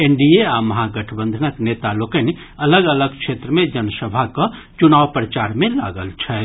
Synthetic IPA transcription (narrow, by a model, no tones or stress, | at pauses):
eɳɖieaməɦaɡəʈʰəbə̃nd̪ʱənəknet̪alokən | ələɡələɡkʃʰet̪ɾəmẽd͡ʒənsəbʱakət͡ʃunaːʋpɾət͡ʃaːɾmẽla̰ɡəlt͡ʃʰɛ